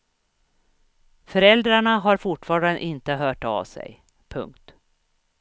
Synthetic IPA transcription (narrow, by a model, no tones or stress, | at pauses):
fœɾɛld̪ɾaɳaɦaɾfʊʈfɑːɾanə̰ʔɪnt̪əɦœːʈa̰vsɛ̰j | pʰɵ̰ŋk̚t̪